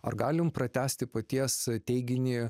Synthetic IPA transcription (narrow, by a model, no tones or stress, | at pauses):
ɐrɡɑːlʲɪmpɾɐt̪ʲæːsʲt̪ʲɪpɐt̪ʲiɛst̪ʲɛɪɡʲɪnʲiː